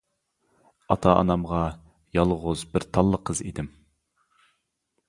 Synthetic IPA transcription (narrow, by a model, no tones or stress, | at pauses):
ɑt̪ʰɑɑ̰nɑmʁɑ | jɑlˠʁʊzbɪɾt̪ʰɑlˠːəqʰəzḭd̪ɪm